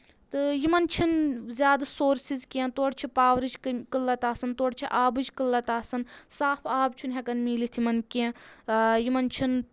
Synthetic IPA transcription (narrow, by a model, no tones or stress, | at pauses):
t̪ɨjimɐnt͡ʃʰinzʲjaːd̪ɐsoːɾsizkẽnt̪oːɽt͡ʃʰipaːʋɾɨd͡ʒkɨlːɐt̪aːsɐnt̪oːɽt͡ʃʰiʔaːbɨd͡ʒkɨlːɐt̪aːsɐnsaːpʰaːbt͡ʃʰunɦʲɛkɐnmiːlit̪ʰimɐnkẽ | jimɐnt͡ʃʰin